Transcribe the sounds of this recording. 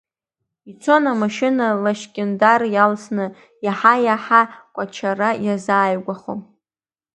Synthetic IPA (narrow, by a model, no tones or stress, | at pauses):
it͡sʰo̞namaʃɪnalaʃkʲʼɪndarjalsnɨ | jaħajaħakʷʼat͡ʃʰarajazaːjɡʷaχo̰m